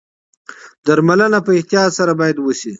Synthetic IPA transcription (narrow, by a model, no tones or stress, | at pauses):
d̪aɾmalənapəɪht̪ijɑt̪saɾabɑjad̪wəʃi